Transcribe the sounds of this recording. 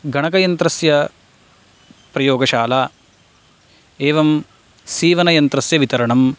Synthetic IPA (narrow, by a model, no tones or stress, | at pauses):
ɡʱɐɳɐkɐjɐnt̪ɾɐsjɐ | pɾɐjoːɡɐʃaːlaː | eːʋɐm | siːʋɐnɐjɐnt̪ɾɐsjɐʋit̪ɐɾɐɳɐm